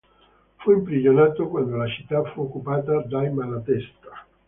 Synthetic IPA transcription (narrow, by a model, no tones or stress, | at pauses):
fuimpɾid͡ʒonɛt̪ːokwand̪olat͡ʃit̪ːafuokːupaːt̪ad̪ajmalat̪ɛst̪ḁ